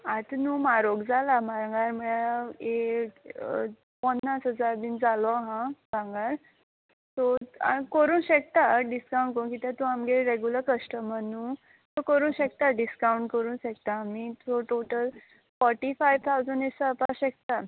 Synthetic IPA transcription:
at̪nuːmaɾoɡd͡zalamaɾãŋɡaɾməɭae | pənːasɦəd͡zaɾd̪iːnd͡zalɔɦãaŋɡaɾ | t̪ɔakəɾuːnɕek̚t̪aɖiskawũɳʈkəɾũnkit̪ãt̪uamɡeɾeɡjuləɾkəsʈəmənu | t̪okəɾuːnɕek̚t̪aɖiskauɳʈkəɾuːnɕekt̪aːmit̪oʈoʈəl | fɔɾʈifajʋt̪ʰawd͡zəɳesəapaɕekt̪a

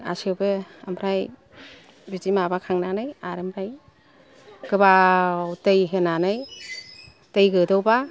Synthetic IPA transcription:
a̰sewbeamʰɾaj | bizimabakʰaŋnanɯjaɾemʰɾaj | ɡɯbawtejɦenanɯj | təjɡɯdɯwba

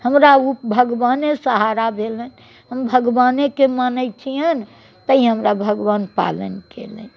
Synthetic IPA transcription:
həmɾaupbʱəɡbanesəɦaɾabʱelən | ɦəmbʱəɡʋanekemanəɪt͡ʃʰijən | t̪əiɦəmɾabʱəɡʋanpa̰lə̰nkḛlə̰n

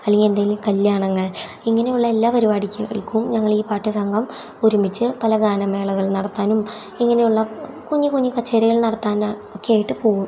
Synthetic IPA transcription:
ɐlːiŋɡe̞nd̪aːjilumkɐljaːɳɐŋːɐɭ | iŋːɐne̞juɭːɐe̞lːaːpɐɾubaːɽikʲːuɣɐ̰ɭkumɲɐŋːɐɭiːpaːʈːɨsɐŋɡʱɐm | oɾumit͡ɕːɨpɐlɐɡaːnɐme̞ːɭɐɣɐɭnɐɽɐt̪ːaːnum | iŋːɐnejuɭːɐkuɲːikuɲːikɐt͡ɕːeːɾiɣɐɭnɐɽɐt̪ːaːn | okːeeːjiʈːɨpo̞ːɣum

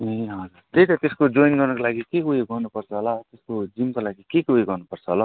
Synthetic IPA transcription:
ɦeɦʌd͡zuɾt̪et̪ʌt̪eskod͡zojnɡʌrnʌkolaɡikeujeɡʱʌrnupʌrt͡sʰʌɦolat̪eskod͡zimkolaɡikeujeɡʌrnupʌrt͡sʰʌɦola

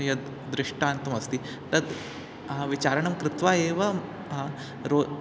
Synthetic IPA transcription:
jɐ | d̪ɾɪʂʈaːnt̪ɐmɐst̪i | t̪ɐd̪ | ʋit͡ʃaːɾɐɳɐmkɾɪt̪ʋaːeːʋɐ | ɾo

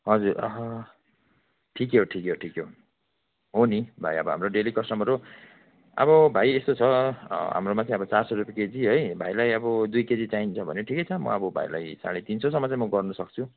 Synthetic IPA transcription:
ɦʌd͡zurʌ̰ɦʌ | ʈʰikjoʈʰikjoʈʰikjo | ɦonibʱa̰jʌbʌɦa̰mroɖelikʌsʈʌmɦʌɾo | ʌ̰bʌbʱajest̪ot͡sʰʌɦa̰mromat͡saĩʌbʌt͡sarsʌɾupjeked͡ziɦʌjbʱajlajʌbʌd̪ujked͡zit͡saint͡sʰʌbʱʌneʈʰikʌjt͡sʰʌmʌ̰ʌbʌbʱa̰jla̰jsa̰ɽ̃et̪insʌsʌmːʌt͡sãĩmʌɡʌrnʌsʌk̚t͡sʰu

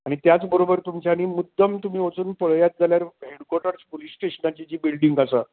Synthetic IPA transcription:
aɽ̃it̪jat͡sbəɾobəɾt̪umt͡ɕañiːmud̪ʱːəmt̪um̤iːʋot͡suːnpəɭjat̪̚d͡zʱaljaɾɦeɽkoɾʈaɾt͡ɕpolisʈeɕənat͡ɕit͡ɕiːbilɖiŋɡasa

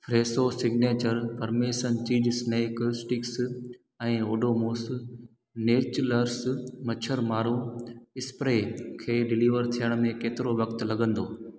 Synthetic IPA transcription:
fɾeːsosɪɡneːt͡ɕəɾpɐɾmeːʃənt͡ɕiːd͡ʑsneːksʈɪks | ɛ̃ːoːɖoːmoːs | neːt͡ɕləɾsmɐt͡ɕʰəɾmaːɾũɪspɾeːkʰeːɖɪliːʋəɾt̪ʰijəɽ̃mẽkeːt̪ɪɾoʋɐkt̪lɐɡə̃n̆d̪oː

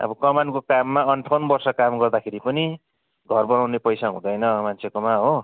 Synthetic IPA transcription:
ʌ̰bʌkʌmankokamːaʌnʈʰonbʌrsʌkamɡʌrd̪akʰeɾipʌni | ɡʱʌrbʌnawnepʌjsaɦũd̪ʌjnʌmant͡sʰekomaɦo

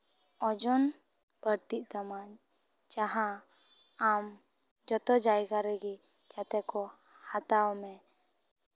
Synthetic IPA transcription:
ɔd͡ʒɔn | bəɾt̪iʔ̚ˀt̪amaɲ | d͡ʒaɦã | am | d͡ʒɔt̪ɔd͡ʒajɡaɾɛɡi | d͡ʒat̪ɛkɔ | hat̪awmɛ

